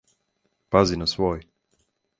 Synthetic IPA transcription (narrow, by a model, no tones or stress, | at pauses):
pazinasʋoːj